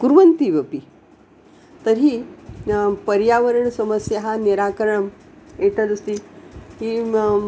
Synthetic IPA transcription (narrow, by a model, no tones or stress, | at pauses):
kuɾʋənt̪iʋəpi | t̪əɾɦi | pəɾjaʋəɾəɳsəməsjəɦaniɾakəɾɳəm | eʈʰələst̪ihi